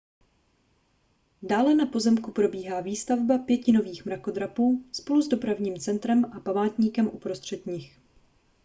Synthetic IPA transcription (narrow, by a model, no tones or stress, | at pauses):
daːlɛnapo̞zɛmkupɾo̞biːɦaːviːst̪avbapjɛcɪno̞viːxmɾako̞d̪ɾapuːspo̞luzdo̞pɾavɲiːmt͡sɛnt̪ɾɛmʔapamaːt̪ɲiːkɛmʔupɾost̪r̝̥ɛt̪ɲɪx